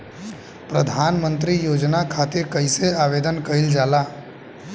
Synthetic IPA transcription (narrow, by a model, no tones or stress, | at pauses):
pɾəd̪ʱaːnmə̃nt̪ɾijoːd͡ʒnakʰaːt̪ɪɾkəɪseaːʋed̪ənkəɪld͡ʒaːlaː